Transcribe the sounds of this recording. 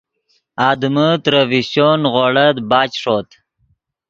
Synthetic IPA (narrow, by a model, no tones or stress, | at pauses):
ɑːd̪mət̪ɾəviɕonʁoːɽət̪bɑːt͡ɕʂoːt̪